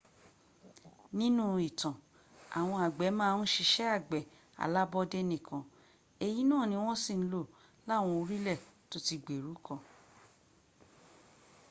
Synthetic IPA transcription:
nĩ˦nũ˦˨i˨tã˨ | a̰˨w̃ɔ̃˧a˨ɡ͡bɛ˨˦mãː˦˧˦n̩˦ʃi˧ʃɛ˦a˦˨ɡ͡bɛ˨ | a̰˨la˦bɔ˦de˦nĩ˦˨kʰã˧ | e˨ji˨˦nãː˦˨nĩ˧˦w̃ɔ̃˦si˦˨n̩˦lo˦˨ | la˦˨w̃ɔ̃˧o˧ɾi˦lɛ˦˨to˦ti˧ɡ͡be˨ɾu˨˦kɔ̃˦˧

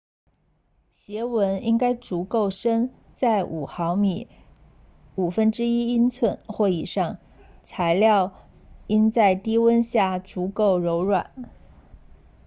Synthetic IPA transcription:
ɕjɛ˧˥wə˧˥ni˥ŋka˥ɪt͡su˧˥ko˥˩ʊʂə˥n | t͡sa˥˩ɪʔu˨˩xɑ˧˥ʊmi˨˩˦ | u˨˩fə˥nʈ͡ʂɻ̩˥i˥i˥nt͡sʰwə˥˧nxwe˥˩i˨˩ʂɑ˥˩ŋ | t͡sʰa˧˥ɪljɑ˥˩ʊ | i˥nt͡sa˥˩ɪt̪i˥wə˥nɕja˥˩t͡su˧˥ko˥˩ʊɻo˧˥ʊɻwa̰˨˩˦n

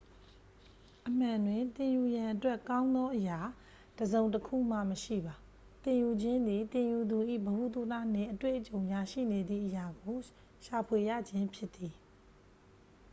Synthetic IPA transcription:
ʔəm̥ã˨ndwɪ̃˨nt̪ɪ̃˨ju˨jã˨ʔətwɛ˦ʔkã˦ʊ̃nd̪ɔ˦ʔəja˨ | d̥əzõ˨ʊ̃ntəkʰṵ˦˨m̥ä̰˦˨məʃḭ˦˨ba˨ | t̪ɪ̃˨ju˨d͡ʑɪ̃˦nd̪i˨t̪ɪ̃˨ju˨d̪u˨ʔḭ˦˨bəhu˦˨t̪u˦˨t̪a̰˦˨n̥ɪ̰̃˦˨ʔətwḛ˦˨ʔət͡ɕõ˨ʊ̃ja˨ʃḭ˦˨ne˨d̪ðḭ˦˨ʔəja˨ɡo˨ | ʃa˨pʰwe˨jä̰˦˨d͡ʑɪ̃˦mpʰjɪ˦t̪ːi˨

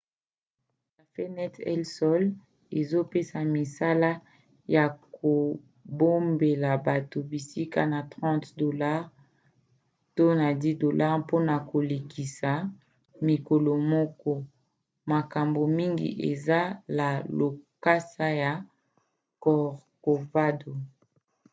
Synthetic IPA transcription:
ka˨fe˦nɛ˦tɛ̰˦lsɔ˦l | e˨zo˦pe˦sa˨mi˨sa˦la˦ | ja˨ko˨ | bo˦mbe˨la˨ba˨to˨bi˨si˦ka̰˦na˨tʁɑ̃˦tdo˨la˦ʁ | to˦na˨di˦do˨lʔa˦ʁpo˦na˨ko˨le˨kʰi˨sa˨ | mi˨ko˨lo˨mɔ˦kɔ˦ | ma˨ka˨mbo˨mi˦ŋɡḭ˨ʔe˨za˦la˨lo˨ka˦sa˦ja˨ | kɔ˨ʁko˨va˦do˨

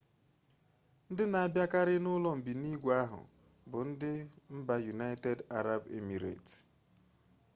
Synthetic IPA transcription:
n̩˦dɪ˦na˨a˨bja˦ka˦ɾɪ˦nʊ˦lɔ˦m̩˨bi˨ni˦ɡʷa˦ɦʊ̰˨ | bʊ˨n̩˦dɪ˦m̩˦ba˦ju˨na˦ɪ˦te˦da˦ɾa˦be˦mi˨ɾḛ˨t

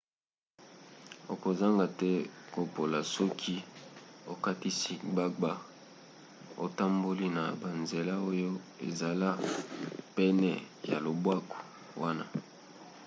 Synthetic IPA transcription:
o˨ko˨za˦ŋɡa˨tɛ˦ko˨po˨la˨sɔ˦kʰi˦o˨ka˦ti˦si˦ɡ͡ba˦ɡ͡ba˦ | o̰˨ta˦mbo˦li˦na˨ba˨nze˨la˦o˦jo˦ḛ˨za˨la˦ | pɛ˦nɛ˨ | ja˨lo˨bwa˦ko̥˨ | wa˦na˦

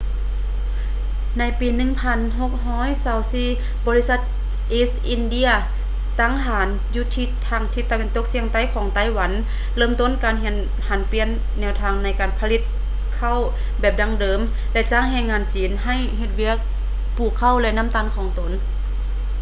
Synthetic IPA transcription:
na˧˥jpiː˨nɯ˧˨ŋpʰa˧˩˨nɦo˧k̚ɦɔː˧˥˨jsaː˨˧˦wsiː˧˥˩ | bɔː˨˧li˧˥sa˧t̪̚ | ʔeː˧˥sʔi˧˨ndi˧˨ɐ | t̪aː˧˨ŋɦaː˨˦n | juː˧t̪ʰiː˧t̪ʰaː˧˩ŋt̪ʰiː˧t̪ːa˧we˧˥nt̪o˧˥k̚si˧əŋt̪a˧˥˨jkʰɔː˨˦ŋt̪a˧˨jwa˨˦n | lɤː˧˨mt̪o˧˨nkaː˨nɦe˧˩n | ha˨˦npi˧˥ənːɛː˧˩˨wt̪ʰaː˧˩ŋna˧˥jkaː˨npʰa˧li˧˥t̪̚ | kʰa˧˩˨w | bɛː˧˩p̚da˧ŋdɤː˨m | lɛ˧˥t͡ɕaː˧˨ŋɦɛː˧˨ŋːaː˧˨nt͡ɕiː˨nɦa˧˩jɦe˧t̪̚wi˧˥˨ək̚ | pʰuː˧˩kʰːa˧˥˨wlɛ˧na˧˥˨mt̪aː˧˥˨nkʰɔː˨˦ŋt̪o˨˦n

